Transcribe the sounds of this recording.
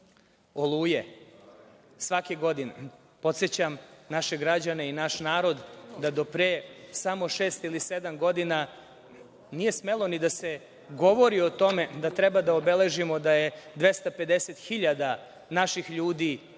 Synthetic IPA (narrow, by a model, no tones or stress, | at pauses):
o̞lˠuːje | sʋakeɡo̞d̪ine | po̞t̪set͡ɕamnaʃe̞ɡɾad͡ʑane̞inaʃnaːɾo̞d̪d̪ad̪o̞pɾeːsamo̞ʃeːst̪ilise̞d̪amɡo̞d̪ina | nije̞sme̞lˠo̞nid̪ase̞ | ɡo̞ʋo̞ɾio̞t̪o̞me̞d̪at̪ɾebad̪aobe̞le̞ʒimo̞d̪aje̞d̪ʋe̞st̪ape̞d̪e̞set̪xiʎad̪a | naʃixʎuːd̪i